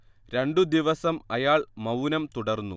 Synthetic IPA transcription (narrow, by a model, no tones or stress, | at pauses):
ɾe̞ɳɖɨd̪iʋɐsɐmɐjaːɭmɐwnɐmt̪uɽɐrnːṵ